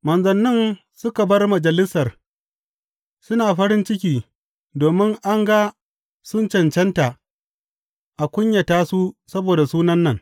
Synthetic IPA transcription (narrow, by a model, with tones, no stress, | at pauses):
mɐ˨nzɐ˨nːɪ˦n | sʊ˦ka˨bɐ˦rmɐ˨d͡ʒɐ˨lɪ˦sɐ˨r | sʊ˦naː˨ɸɐ˦ɽɪ˦nt͡ʃɪ˦kʲiː˨ | doː˨mɪ˦ŋʔa˦ŋɡa˦ | sʊ˦nt͡ʃɐ˨nt͡ʃɛ˦nta˨ | ʔa˨kʷʊ˦ɲjɐ˨taː˦su˦sɐ˦boː˨da˨suː˦nɐ˦nːɐ˨ŋ